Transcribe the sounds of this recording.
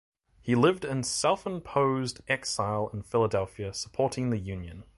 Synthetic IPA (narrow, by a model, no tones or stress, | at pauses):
hilɪvdɪ̃nsɛlˠfɨ̃mpʰoʊzdʔɛksaɪlˠɪ̃nfɪlˠədɛlˠfjəsə̥pʰɔɹɾɪ̃ŋðɨjʉ̃njɨ̃n